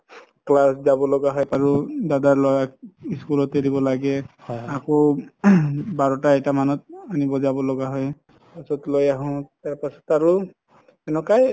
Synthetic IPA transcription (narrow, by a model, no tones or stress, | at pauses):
klaszabɔlɔɡaɦɔjaɹudadaɹlɔjak̚iskulɔteɹibɔlaɡɛhakɔ | baɹɔtaɛtamanɔt̚anibɔzabɔlɔɡaɦɔj | pasɔtlojaɦʊ̃taɹpasɔtaɹʊ | ɛnɔkaj